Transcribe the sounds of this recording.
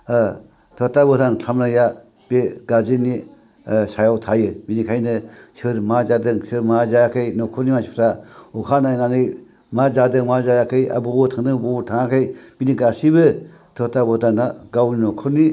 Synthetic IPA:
tʰotabotankʰamnaja | b̥eɡad͡ʒini | sajawtʰajɯbinikʰajnɯsɯɾmad͡ʒadɯŋsɯɾmad͡ʒajakʰɯjnɔkʰuɾnimasi̥pʰtaukʰanajnanɯj | mad͡ʒadɯŋmad͡ʒajakʰɯja̰bobutʰaŋdɯŋbobutʰaŋakʰɯjb̥iniɡasibɯ | tʰotabɔtanaɡawninokʰuɾni

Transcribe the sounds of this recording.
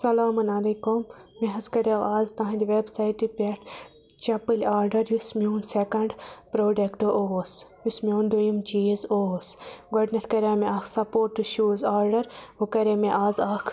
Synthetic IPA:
sɐlaːmɐnɐleːkumːeɦɐzkɐɾaaːzt̪ɐɦɐ̃nd̪iʋeːbsaiʈipʲeʈ | t͡ʃɐpɨlʲaːɾɖɐɾjusmʲuːnsekɐɳɖpɾoːɖekʈoʔoːsjusmʲoːnd̪ojumt͡ʃiːzoːsɡoɖnɐʈ̪kɐɾʲaːmẽaːkʰsɐpoːɾʈːuʃuːzaːɾɖɐɾʋukɐɾemeʔaːzaːkʰ

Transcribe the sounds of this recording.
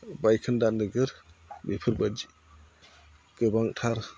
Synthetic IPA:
bajkʰɯndandɯɡɯɾbepʰɯɾbad͡ʒi | ɡ̥ɯbaŋtʰaɾ

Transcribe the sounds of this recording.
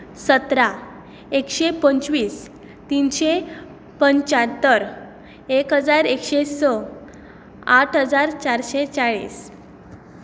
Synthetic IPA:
sət̪ɾa | ekɕepəɲt͡ɕʋiːs | t̪inɕe | pəɲt͡ɕat̪ːəɾ | ekɦəd͡zaɾekɕesɔ | aʈʰɦəd͡zaɾt͡ɕaɾɕet͡saɭḭːs

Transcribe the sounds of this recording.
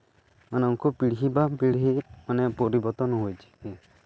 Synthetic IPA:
maneŋkʰupiɽɦibapiɽɦimanepɔɾibɔɾt̪ɔnɔɦojt͡ʃʰi̥ɛ̃

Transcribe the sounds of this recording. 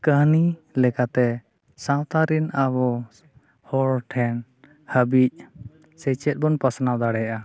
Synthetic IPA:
kəɦnilɛkat̪ɛ | sãwt̪aɾinabɔ | hɔlʈʰɛn | həbic̚ˀ | sɛt͡ʃɛt̪̚ˀbɔnpasnawd̪aɽɛjʔa

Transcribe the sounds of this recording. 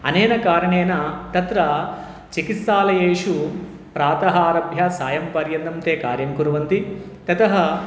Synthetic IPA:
ɐ̰neːnɐkaːɾɐɳeːnɐt̪ɐt̪ɾɐ | t͡ʃikit̪saːlɐjeːʂu | pɾaːt̪ɐɦaːɾɐbʱjɐsaːjɐmpɐɾjɐnd̪ɐmt̪eːkaːɾjɐŋkuɾuʋɐnt̪it̪ɐt̪ɐɦɐ

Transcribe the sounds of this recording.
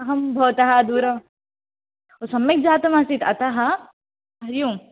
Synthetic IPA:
ɐɦɐmbʱɐʋt̪ɐɦɐd̪uːɾɐ | osɐmːɐk̚d͡ʒaːt̪ɐmɐsit̪ɐ̰t̪aɦɐ | bʱɐɾjuːm

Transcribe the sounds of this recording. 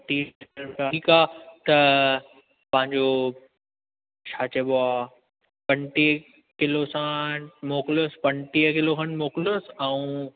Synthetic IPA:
t̪iːɾkaiːkaːt̪ɐ | pɐ̃ɦɪ̃ɲd͡ʑo | t͡ɕʰaːt͡ɕeɓoaː | pɐ̃nʈi | kɪlosãmoːklospɐ̃ɳʈiəkɪlokʰɐɳmoːklosɛũ

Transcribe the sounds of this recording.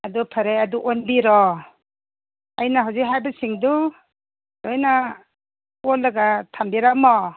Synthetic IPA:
adupʰaɾejaduʔonbiɾɔ | ajnaɦawzikɦajbasiŋdu | dojna | olːaɡatʰambiɾamɔ

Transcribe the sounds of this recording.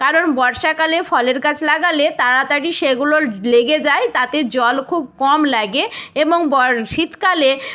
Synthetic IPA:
kaɾonbɔɾʃakalefɔleɾkat͡ɕʰlaɡalet̪aɾat̪aʈiʃeɡuloleɡed͡ʑaet̪at̪ed͡ʑɔlkʰub̚kɔmlaɡeeboŋbɔɾʃit̪kale

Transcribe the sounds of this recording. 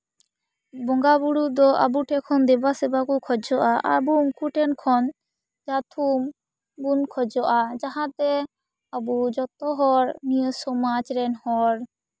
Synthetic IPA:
bɔŋɡabuɽud̪ɔʔa̰buʈʰɛkʰɔnd̪ɛbasɛbakukʰɔd͡ʒɔʔaʔa̰bumkʰuʈɛnkʰɔn | d͡ʒat̪ʰum | bunkʰɔd͡ʒɔʔad͡ʒaɦãt̪ɛ | abud͡ʒɔt̪ɔɦɔɾnijɔsɔmad͡ʒɾɛnhɔɾ

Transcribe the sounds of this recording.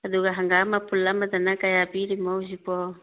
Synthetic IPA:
ad̪uɡaɦaŋɡamapulːamat̪anakajapiɾimawzipɔ

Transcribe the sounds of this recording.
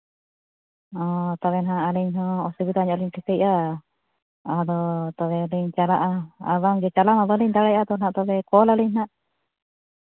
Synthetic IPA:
ɔt̪aβɛnaɦaʔːliɲɦɔ̃ːsibit̪aɲɔaliɲʈʰɛkɛjʔa | ad̪ɔt̪ɔβɛliɲt͡ʃalaʔaa̰βaŋd͡ʒɛt͡ʃalamabəliɲd̪aɽajad̪ɔnaʔt̪ɔbɛkɔlaliɲnaʔ

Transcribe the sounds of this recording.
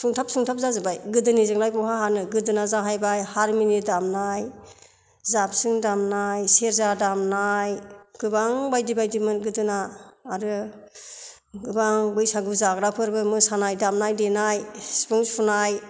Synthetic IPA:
suŋtʰap̚suŋtʰap̚zazɯbajɡɯdɯnizɯŋnajkɔɦaɦanɯɡɯdɯnazaɦajbajhaɾminit̚damnaj | zap̚sɯŋdamnajseɾzadamnajɡ̥ɯbaŋbajdibajdimɯnɡɯdɯnaːɾɯ | ɡɯbaŋbɯjsaɡɯzaɡɾapʰɯɾbɯmɯsanajdamnajdenajspɯŋspʰunaj

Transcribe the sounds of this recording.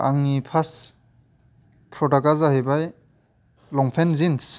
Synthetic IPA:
a̰ŋnipʰas | pʰɾɔtakazaɦebaj | lɔŋpʰenzins

